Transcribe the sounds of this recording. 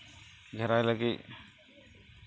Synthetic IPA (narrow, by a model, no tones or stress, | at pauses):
ɡʱɛɾajlaɡi